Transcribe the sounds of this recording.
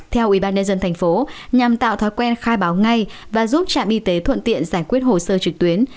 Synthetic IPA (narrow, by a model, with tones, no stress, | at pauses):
t̪ʰɛ˧wʔwi˧˩ɓaː˧nɲə˧nzə˧nt̪ʰa˨˩ŋ̟fo˨˦ɲa˨˩mt̪a̰ː˧˨wt̪ʰa˨˦jkwɛ˧nxaː˧jɓaː˨˦wŋa˧j | vaː˨˩zu˦˥p̚t͡ɕa̰ː˧˨mʔi˧t̪e˨˦t̪ʰwə̰˧˨nt̪ḭ˧˨ənzaː˧˩jkwi˦˥ət̚ho˨˩səː˧t͡ɕɨ˨˩k̚t̪wi˨˦ən